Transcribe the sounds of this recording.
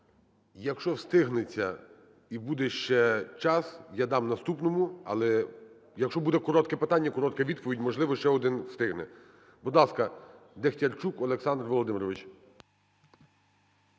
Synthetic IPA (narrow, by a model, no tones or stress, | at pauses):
jɐkʃt͡ʃɔwst̪ɪɦnet͡sʲːɐ | ibud̪ɛʃt͡ʃɛt͡ʃɑsjad̪ɑmnɐst̪upnɔmʊɐ̰lˠɛ | jɐkʃt͡ʃɔbud̪ɛkɔɾɔt̪kɛpɪt̪ɑnʲːɐkɔɾɔt̪kɛʋʲid̪̚pɔʋʲidʲmɔʒlˠɪʋɔʃt͡ʃɛɔd̪ɪnwst̪ɪɦnɛ | bud̪lˠɑskɐd̪extʲɐrt͡ʃukɔlˠeksɑnd̪rʋɔlˠɔd̪ɪmɪɾɔʋɪt͡ʃ